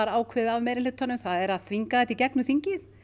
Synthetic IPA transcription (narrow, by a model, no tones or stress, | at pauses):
aɾaːwkʰvɛɪːðɪavmɛjɾɪlɪːt̪ʰːanʏmθaðɛɾaðθviŋkaðɛt̪icɛknʏθiɲcɪθ